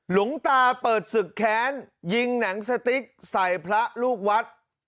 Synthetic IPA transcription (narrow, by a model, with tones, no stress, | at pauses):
lu˩˦ŋt̪aː˧pɤː˨˩t̪̚sɯ˨˩kʰːɛː˨˦˥nji˧ŋna˩˦ŋsa˧t̪i˦˥k̚sa˨˩jpʰɾa˦˥ʔluː˥˩k̚wa˦˥t̪̚